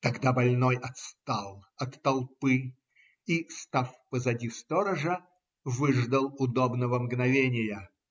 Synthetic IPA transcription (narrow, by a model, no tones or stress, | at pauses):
t̪ɐɡd̪abɐlʲnojɐt̪st̪alˠɐt̪ːɐlˠpɨ | ist̪afpəzɐdʲist̪oɾəʐə | vɨʐd̪əlˠʊd̪obnəvəmɡnɐvʲenʲɪjə